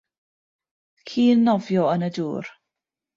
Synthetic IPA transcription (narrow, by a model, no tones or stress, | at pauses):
kʰiːnːɔvjɔənəduːr